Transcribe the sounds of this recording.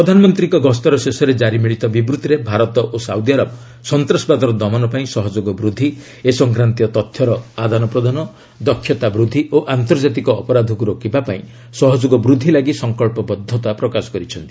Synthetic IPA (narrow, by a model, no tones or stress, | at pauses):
pɾɔd̪ʱanɔmɔnt̪ɾiŋkɔɡɔst̪ɔɾɔsesɔɾed͡ʒaɾimiɭit̪ɔbibɾut̪ɾebʱaɾɔt̪ɔʔosawd̪iaɾɔb | sɔnt̪ɾɔsbad̪ɔɾɔd̪ɔmanɔpaĩsɔɦɔd͡ʒoɡɔbɾud̪ʱːi | esɔŋkɾant̪ijɔt̪ɔt̪ʰːjɔɾɔad̪ʱanɔpɾɔd̪ʱanɔ | d̪ɔkʰːjɔt̪abɾud̪ʱːiʔoʔant̪ɔɾd͡ʒat̪̬ikɔːpɔɾad̪ʱɔkuɾokibapaĩ | sɔɦɔd͡ʒoɡɔbɾud̪ʱːilaɡisɔŋkɔɭpɔbɔd̪ʱːɔt̪apɾɔkasɔ̥kɔɾit͡ʃʰɔnt̪i̥